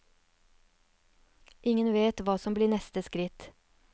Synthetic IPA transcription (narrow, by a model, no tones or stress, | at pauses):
ʔɪŋənʋeːt̪ʋɑːsɔmbliːnɛst̪əskɾɪt̪